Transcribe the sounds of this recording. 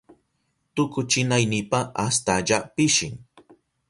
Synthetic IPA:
t̪ʊkʊt͡ʃɪnajnɪpaʔast̪aʎapɪʃɪŋ

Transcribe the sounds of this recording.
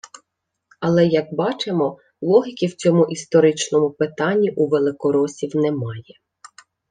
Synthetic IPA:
ɐlˠɛjɐk̚bɑt͡ʃemɔ | lˠɔɦʲɪkʲiwt͡sʲɔmʊʔist̪ɔɾɪt͡ʃnɔmʊpɪt̪ɑnʲːiʔuʋelˠɪkɔɾɔsʲiwnɛmɑjɛ

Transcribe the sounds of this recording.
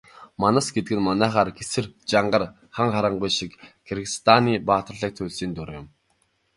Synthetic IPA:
manăsɡet̪ɘ̆ɡɘ̆nmanæːχaːrɡesɘ̆rt͡ɕaɴɢə̆r | χaɴχaɾə̆ɴɢʊjʃikkʰerɣist̪ʰaniːpaːt̪ə̆rɮə̆k̚t̪ʰʊɮsiːnt̪ʊɾjʊ̆m

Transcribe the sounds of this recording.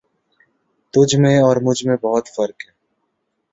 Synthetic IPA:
t̪ʊd͡ʒʱmẽɔːɾmʊd͡ʒʱmẽbɔɦʊt̪fɐɾkɦɛː

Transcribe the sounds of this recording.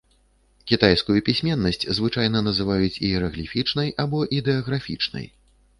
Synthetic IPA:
kʲit̪ajskujupʲisʲmʲɛnːɐsʲt͡sʲzvɨt͡ʂajn̪ɐnɐzɨvajut͡sʲiɛɾɐɣlʲifʲit͡ʂnɐjʔabɔʔid̪ɛɐɣɾafʲḭt͡ʂnɐ̰j

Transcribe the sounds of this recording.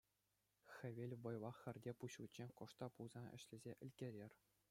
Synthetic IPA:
xʲɘ̆ʋʲelʲʋɤ̆jʋɑχʲːɘ̆rʲdʲepuɕutʲt͡ɕekŏʂt̪ɑpulzɑnɘ̆ɕlʲɘ̆zʲeʔɘ̆lʲkʲeɾʲerʲ

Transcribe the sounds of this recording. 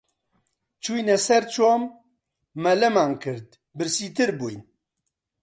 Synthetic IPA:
t͡ʃʰujnɛsɛɾt͡ʃʰoːmː | ɛlɐmaːnkʰɨɾd̪̚ | bɨɾsiːt̪ɨɾbṵjn

